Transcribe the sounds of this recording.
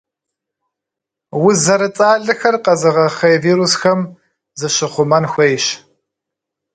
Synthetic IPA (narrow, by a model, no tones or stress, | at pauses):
wʊzɐɾɨt͡sʼaːɮɨxɐrqɐzɨʁɐχɐjviːɾusxɐm | zɨɕɪχʷʊmɐnxʷejɕ